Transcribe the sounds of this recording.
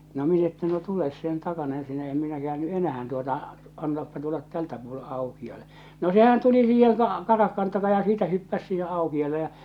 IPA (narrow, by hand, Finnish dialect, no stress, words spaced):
no minæ etːæ no tules sen tɑkɑnɑ ensinæ em minæ kĕæːnːy ʔenæhæn tuotɑ ɑntɑːpːɑ tulːɑt tæltæ puole ɑukiɑle no sehæn tuli siːheŋ kɑ kɑrɑhkɑn tɑkɑ jɑ siːtæ hypːæs siːhe ɑukiɑlˑe jɑ